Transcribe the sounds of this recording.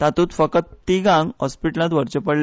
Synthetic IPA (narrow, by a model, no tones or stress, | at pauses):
t̪at̪uːt̪fəkət̪t̪ːiɡãŋɡɦɔspiʈəlãt̪ʋəɾt͡ɕəpəɽl